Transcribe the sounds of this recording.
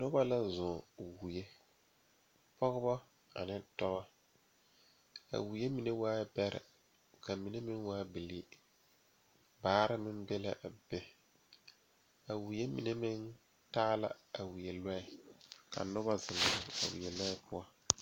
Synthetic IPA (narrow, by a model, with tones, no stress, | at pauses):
nʊ˦ba˦la˦zʊ˨wu˨je˦ | pɔ˦ɣʊ˦bɔ˦ | a̰˨nɪ˦tɔ˦ɣɔ˦ | a̰˨wu˨je˦mi˨ne˦waː˦bɛ˦ɾɪ̰˨ | ka˨mi˨ne˦mɪ˦nwaː˦bɪ˨li˦ | baː˨˦ɾɪ˦mɪ˦nbe˦la˦ʔa˨bɛ˦ | a˨wu˨je˦mi˨ne˦mɪ˦n | taː˦la̰˦a˨wi˨je˨lɛ˦ɪ˨ka̰˨nʊ˦βa˦zɪ˨la˨a̰˨wḭ˨e˨la˦ɪ˦pʰʊ˦a˦